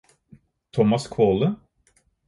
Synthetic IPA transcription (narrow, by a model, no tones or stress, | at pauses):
t̪ʰɔmɑskʰoːlə